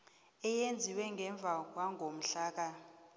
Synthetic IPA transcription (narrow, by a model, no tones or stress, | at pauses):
ɛjend͡zʱiwɛŋɡʱɛɱb̪vʱak̬waŋʱom̩ɬaːk̬a